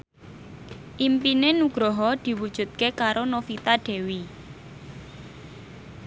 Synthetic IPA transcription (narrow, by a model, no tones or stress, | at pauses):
ʔimpinenuɡ̥ɾɔɦɔd̪̥i̤wud̥ʒ̥ṳt̪̚kekaɾonofit̪aɖ̥ɛ̤wi